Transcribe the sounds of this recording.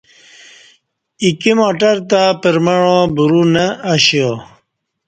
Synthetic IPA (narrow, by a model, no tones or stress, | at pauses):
ikimoːʈɐɾt̪apəɾmaɻõːbuɾunəːɕio